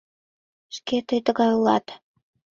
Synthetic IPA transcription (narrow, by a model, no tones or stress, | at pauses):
ʃket̪əjt̪əɣɑjulɑ̰t̪